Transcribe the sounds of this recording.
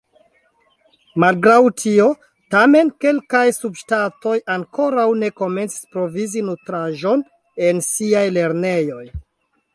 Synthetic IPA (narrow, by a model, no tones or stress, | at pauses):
malɡɾawtʰio̞ | tame̞nke̞lkajsubʃtato̞jaŋko̞ɾawne̞ko̞me̞nt͡si̥spɾo̞vizinutɾaʒo̞n | ensiajle̞ɾne̞jo̞j